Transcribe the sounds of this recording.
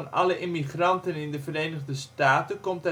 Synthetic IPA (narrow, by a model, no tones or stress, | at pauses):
nɑ̰ləʔɪmiχrɑntənɪndəvəɾejnəχdəstaːtəkɔmtɛ